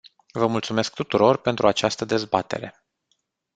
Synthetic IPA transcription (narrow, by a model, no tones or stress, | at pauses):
vəmult̪sume̞sk̚t̪ut̪uɾo̞rpe̞nt̪ɾuat͡ʃast̪əd̪e̞zbat̪e̞̰ɾe̞̰